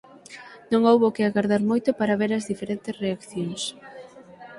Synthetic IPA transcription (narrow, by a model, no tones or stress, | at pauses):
nõŋowβokɪaɣaɾðaɾmojt̪ʊpaɾaβeɾɐzðifeɾent̪ɪsreakθjoŋs